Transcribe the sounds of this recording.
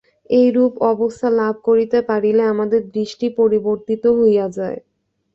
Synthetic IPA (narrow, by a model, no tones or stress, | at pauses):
ejɾupɔbost̪ʰalab̚ʱkoɾit̪epaɽileamad̪eɾd̪ɾiʃʈipoɾiboɾt̪it̪oɦojad͡ʑae